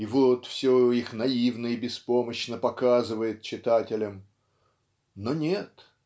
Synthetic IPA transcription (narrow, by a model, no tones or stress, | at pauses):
ivot̪fsʲoixnɐivnəjɪbʲɪspo̞məɕnəpɐkazɨvəjɪt̪̚t͡ɕɪt̪atʲɪlʲəm | nonʲet̪